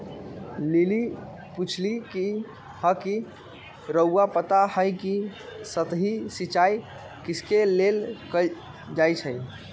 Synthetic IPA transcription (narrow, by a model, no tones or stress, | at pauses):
lili | put͡ʃʰliki | həki | ɾəuapət̪ahəjkisət̪ɦisit͡ʃaj | kiskelelkə | d͡ʒajt͡ʃʰəj